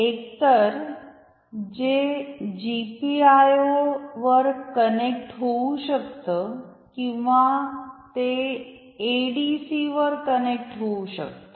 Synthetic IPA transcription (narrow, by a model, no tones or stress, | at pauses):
ekt̪əɾ | d͡ʑed͡ʑipiajoʋəɾkənek̚ʈɦouɕəkt̪ə | kĩʋat̪eː | ɽisiʋəɾkənek̚ʈɦouɕə̰kt̪